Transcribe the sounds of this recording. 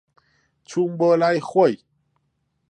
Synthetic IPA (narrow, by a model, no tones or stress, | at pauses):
t͡ɕʰumbəlajxwej